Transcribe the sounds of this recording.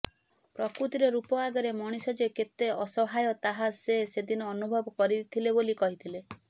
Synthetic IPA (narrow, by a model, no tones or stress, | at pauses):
pɾɔkɾut̪iɾeɾupɔaɡɔɾemɔɽ̃isɔd͡ʒeket̪eɔsɔɦajɔt̪aɦasesed̪inɔːnubʱɔbɔkɔɾit̪ʰilebolikɔɦit̪ʰile